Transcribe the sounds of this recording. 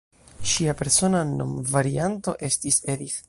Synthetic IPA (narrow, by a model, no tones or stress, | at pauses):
ʃiape̞ɾso̞nanːo̞̰mvaɾianto̞ʔe̞stise̞dik